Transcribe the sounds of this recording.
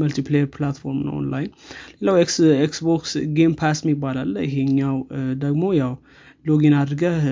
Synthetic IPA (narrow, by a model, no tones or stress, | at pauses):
məlt̪ʰiplejəɾplat̪fo̞ɾmnə̰o̰nlajnle̞lawekeksboksɡempʰasmibːalalːəjɪɦeɨɲːawd̪əɡmojaw | loɡinad̪ɾɡə